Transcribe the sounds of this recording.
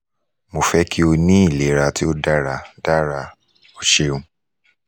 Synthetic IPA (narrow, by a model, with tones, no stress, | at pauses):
mo˨fɛ˦kʰi˦o˧nĩ˦i˦˨le˨˦ɾa˨ti˦o˦da˦ɾa˨da˦ɾa˧ | o˨ʃe˦ũ˦